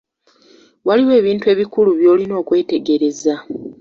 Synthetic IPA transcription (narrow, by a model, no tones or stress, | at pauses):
waliwe̞ːβiːntwe̞ːβikuluβjo̞ːlino̞ːkwe̞ːte̞ɡe̞ɾe̞za